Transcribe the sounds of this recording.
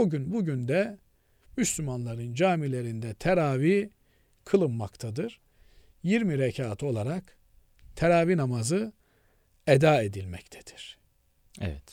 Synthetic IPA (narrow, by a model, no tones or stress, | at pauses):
oɟynbuɟynd̪ɛ | myslʲymanlˠaɾɯnd͡ʒaːmilʲe̞ɾind̪ɛt̪ʰeɾaːvi | kʰɯlˠɯmːa̰kt̪ʰad̪ɯɾ̥ | jiɾmiɾɛcʰaːt̪ʰo̞lˠaɾak | t̪ʰeɾaːvinamazɯ | ɛd̪aːe̞d̪ilʲmɛct̪ʰɛ̥d̪̥i̥ɾ̥ | ɛ̰vɛt̪